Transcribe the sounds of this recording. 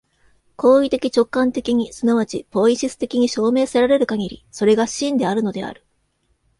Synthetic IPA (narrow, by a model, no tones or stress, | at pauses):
ko̞ːit̪e̞kʲit͡ɕo̞kːãnt̪e̞kʲiɲ̟isɨnaβat͡ɕibo̞iɕisɨ̥t̪e̞kʲiɲ̟iɕo̞ːme̞ːseɾaɾe̞ɾɯ̟kaɡʲiɾʲḭso̞ɾe̞ɡaɕĩnd̪e̞aɾɯ̟no̞d̪e̞a̰ɾɯ̟̥